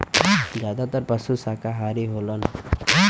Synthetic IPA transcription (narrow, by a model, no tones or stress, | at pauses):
d͡ʒjaːd̪at̪əɾpəsusaːkaɦaːɾiɦoːlən